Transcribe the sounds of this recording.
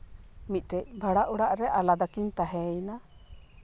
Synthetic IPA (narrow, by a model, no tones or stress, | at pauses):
mit̪̚ˀʈɛc̚bʱaɽaʔuɽaʔɾɛʔalad̪akint̪aɦɛjna